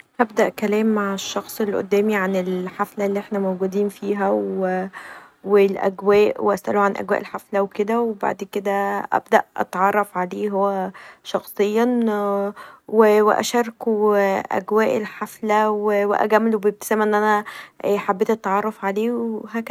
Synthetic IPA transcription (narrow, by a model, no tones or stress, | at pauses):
ʔæbd̪æʔkælæːmːaʕeʃːɑxsˤelʔo̰d̪ːæːmiʕanelħaflælːiːʔeħnæmowɡud̪iːnfiːɦæw | welʔæ̰ɡwæːʔweʔæ̰sʔæ̰luʕanʔæ̰ɡwæ̰ːʔelħaflæweked̪æweba̰ʕd̪ked̪æʔæ̰bd̪æʔʔɑ̰t̪ʕɑrˤːɑfʕaleːɦowːæʃɑxsˤejːɑ | wewḛʔæ̰ʃɑɾˤkuʔæ̰ɡwæːʔelħaflæweweʔæ̰ɡæmlubeb̚t̪e̥sæmːæʔenːʔænæħabːeːt̪ʔɑt̪ːɑʕɑrˤːɑfʕaleːwɦæk